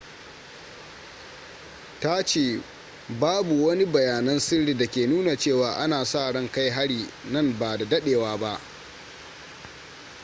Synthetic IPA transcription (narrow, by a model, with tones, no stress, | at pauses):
ta˦t͡ʃeː˦˨ | baː˦bu˨wɐ˦ni˦bɐ˨jaː˨nɐ˦nsɪ˦ɽiː˨dɐ˨kʲeː˨nuː˦na˨t͡ʃeː˦˨waː˨ʔa˦naː˨saː˦˨ɽɐ˦ŋka˦jɦa˦ɽiː˨nɐ˦˨mbaː˨da˨dɐ˦ɗeː˨waː˦ba˦ʔ